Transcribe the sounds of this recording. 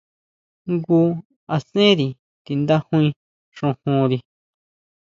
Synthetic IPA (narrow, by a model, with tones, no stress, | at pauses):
ŋɡuː˧˦ | a˧sẽ˦ɾi˨ | t̪i˧nd̪a˦hũ˦ĩ˧ | ʂũ˧hũ˧ɾi˧